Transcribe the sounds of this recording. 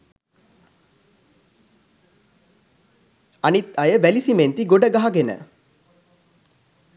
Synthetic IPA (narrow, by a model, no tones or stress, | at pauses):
ɐnit̪ɐjəʋælisiment̪iɡoɖəɡaɦaɡenə̰